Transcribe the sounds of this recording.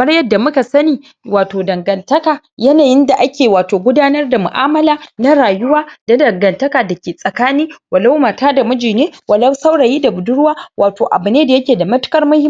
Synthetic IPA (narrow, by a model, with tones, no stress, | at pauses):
mɐ˦ɽjɐ˦da˨mʊ˦ka˨sɐ˦niː˨ | waː˨toː˨dɐ˨ŋɡɐ˨ntɐ˦kaː˨ | jɐ˦naː˨jɪ˦nda˨ʔa˦kʲeː˨waː˨toː˨ɡʷʊ˦daː˦nɐ˦rda˨mʊ̰˨ʔa̰ː˦mɐ˦laː˦na˦ɽaː˨jʊ˦waː˦da˨dɐ˨ŋɡɐ˨ntɐ˦kaː˨dɐ˨kʲeː˨sʼɐ˨kaː˦niː˦wɐ˨la˦wmaː˨taː˦da˨mʊ˦d͡ʒiː˨neː˦wɐ˨lɐ˦wsa˦wɽa˨jiː˦da˨bʊ˨dʊ˦ɽʊ˦waː˦wʔaː˨toː˨ʔa̰˨bu˨neː˦da˨jɐ˦kʲeː˨da˨mɐ˦tʊ̥˦kɐ˦rmʊ˦hɪ˦